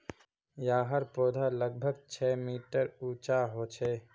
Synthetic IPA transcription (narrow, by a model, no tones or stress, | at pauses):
jaːɦəɾpoːd̪ʱaləɡ̚bʱəɡt͡ʃʰɛːmiːʈəɾuːt͡ʃaɦoːt͡ʃʰeː